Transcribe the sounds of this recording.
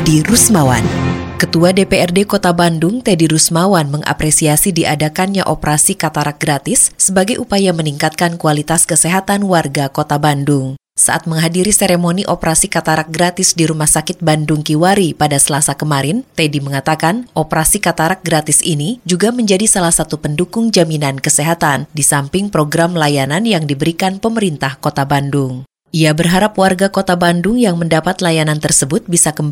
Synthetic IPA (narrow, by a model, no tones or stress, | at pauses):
diɾusmawankət̪uadepeɛrdekot̪abandʊŋt̪ediɾusmawanməŋʔa̰pɾesiasidiʔadakanɲa̰ʔopəɾasikat̪aɾak̚ɡɾat̪ɪsːəbaɡajʔupajaməniŋkat̪̚kankualit̪askəsɛɦat̪anwarɡakot̪abandʊŋ | sa̰ʔa̰t̪̚məŋɦadiɾiseɾemoniʔopəɾasikat̪aɾak̚ɡɾat̪ɪsdiɾumahsakɪt̪̚bandʊŋkiwaɾipadasəlasakəmaɾɪnt̪ediməŋat̪akanʔopəɾasikat̪aɾak̚ɡɾat̪ɪsinid͡ʒuɡaməɲd͡ʒadisalahsat̪upəndukʊŋd͡ʒaminankəseɦat̪andisampɪŋpɾoɡɾamlajananjaŋdibəɾikanpəməɾint̪ahkot̪abandʊŋ | ʔiabərɦaɾapwarɡakot̪abandʊŋjaŋməndapat̪lajanant̪ərsəbʊt̪̚bisakəmb